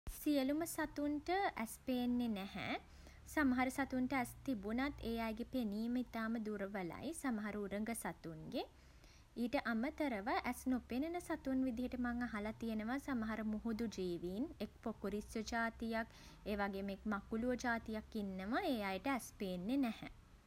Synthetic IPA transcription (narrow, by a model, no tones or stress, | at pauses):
sijəluməsat̪unʈəʔæspeːnːenɛhɛ̰ | samɐɦaɾəsat̪uɳʈəæst̪ibunat̪ʰːeːjajɡepeniːməit̪aːməd̪uɾəʋəla̰jsaməɦaɾəuɾəŋɡəsat̪uŋɡe | iːʈəʔamət̪əɾəʋaʔæsnopenənəsat̪unʋid̪iɦeʈəmaŋaɦalat̪ijenəʋasamɐɦaɾəmuɦud̪ud͡ʒiːʋiːnek̚pokuɾisjod͡ʒaːt̪ijak | eːʋaɡeːmeːkmakuluʋəd͡ʒaːt̪ijakːinːəʋaeːjajʈəæspeːnːenɛhɛ̰